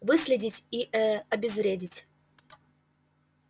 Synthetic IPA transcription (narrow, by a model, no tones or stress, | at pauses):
vɨsʲlʲɪdʲɪtʲiʔɛɐbʲɪzɾʲedʲɪtʲ